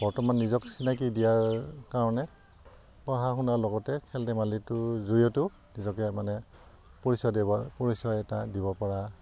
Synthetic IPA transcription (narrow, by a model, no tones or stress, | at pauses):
b̥ɔɹtɔmanːizɔksinak̬idijaɹkaɹɔnɛ | pɔɹaxunaɹlɔɡɔtɛkʰɛltɛmalitʊzuɹijɔtʊ | nizɔkɛmanɛ | poɹisɔdɛɔpɔɹisɔɛtadibɔpɔɹa